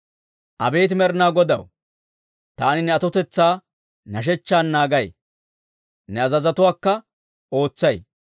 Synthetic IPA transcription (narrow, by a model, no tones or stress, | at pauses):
ʔɐ̰be̞ːt̪̬ɪmɛɾnaːɡɔd̪ɐ̰w | t̪aːnɪnɛɐt̪ɔt̪ɛt͡sːaː | nɐʃ̬ɛt͡ʃːaːnːaːɡɐj | nɛɐzɐzɐt̪ʊwaːkːɐ | o̞ːt͡sːɐj